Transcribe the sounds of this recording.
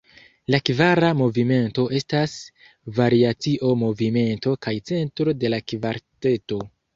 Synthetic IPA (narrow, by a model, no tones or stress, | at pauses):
lakvaɾamo̞vime̞nto̞ʔe̞stas | vaɾiat͡siʔo̞mo̞vime̞nto̞kajt͡se̞ntɾo̞de̞lakvaɾte̞to̞